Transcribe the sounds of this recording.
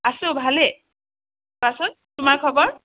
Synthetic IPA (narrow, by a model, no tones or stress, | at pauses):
asʊ̃bʱalɛ | pasɔt̪̚tʊmaɹkʰɔbɔɹ